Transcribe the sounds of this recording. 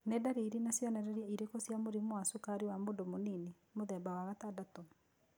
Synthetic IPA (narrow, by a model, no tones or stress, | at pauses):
nedaɾeiɾenasjɔnɛɾɛɾiɛiɾekosjamoɾimoasukaɾiwamodomonini | moðɛmbawaɣatadato